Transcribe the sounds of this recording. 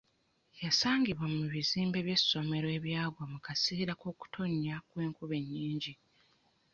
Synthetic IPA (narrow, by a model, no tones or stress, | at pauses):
jasaːŋɡiβwamuβiziːmbe̞βje̞sːo̞me̞ɾoe̞ːβjaːβwamukasiiɾakoːku̥tʰo̞ɲːakwe̞ːŋkuβe̞ɲːiːɲɟi